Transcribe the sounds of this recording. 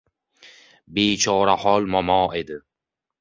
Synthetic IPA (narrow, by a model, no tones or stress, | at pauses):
beːt͡ʃʰɒːɾahɒlmɒmɒːed̪ɪ